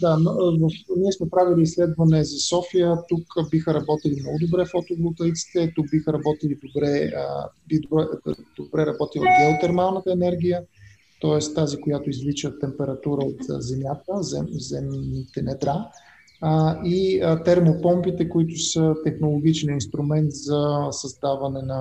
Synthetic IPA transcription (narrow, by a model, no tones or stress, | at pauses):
d̪anvəfniɛsmɛpɾaviliːslɛd̪vɐnɛzɐsɔfijət̪ukbixəɾɐbɔt̪ilimnɔɡʊd̪obɾɛfot̪ovlˠok̪əjt̪si̥t̪ɛt̪uk̚bixəɾɐbɔt̪ilid̪obɾɛə̰bid̪bɛd̪̥obɾɛɾɐbɔt̪ilˠɐ̰ɡɛot̪ɛɾmalˠnət̪əɛnɛɾɡʲijə | t̪ɔɛst̪ːazikʊjat̪ʊizlit͡ʃət̪ːɛmpɛɾɐt̪uɾəot̪zɛmʲjat̪əzɛzɛmnit̪ɛnɛd̪ɾa | iət̪ɛɾmopɔmpit̪ɛkoit̪ʊsət̪ɛxnolˠoɡ̟it͡ʃniinst̪ɾʊmɛnt̪zɐsɐzd̪avɐnɛnɐ